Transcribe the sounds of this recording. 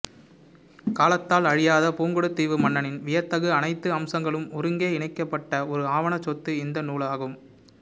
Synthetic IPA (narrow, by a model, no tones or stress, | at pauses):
kaːlɐt̪ːaːlɐɻɪjaːðɐpuːŋɡɯɽɯt̪ːiːʋɯmɐɳːɐnɪnʋɪjɐt̪ːɐɣɯɐnɐɪt̪ːɯɐmsɐŋɡɐɭɯmɔɾɯŋɡeːɪɳɐɪkːɐpːɐʈːɐɔɾɯaːʋɐɳɐt͡ʃːɔt̪ːɯɪnd̪ɐnuːɭaːɣɯm